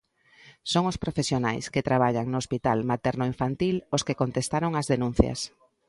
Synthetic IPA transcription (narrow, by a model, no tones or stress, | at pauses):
soŋospɾofesjonajsket̪ɾaβ̞aʎaŋnoospit̪almat̪ɛɾnoiɱfant̪iloskekont̪est̪aɾoŋɐzðenũn̟θjɐ̰s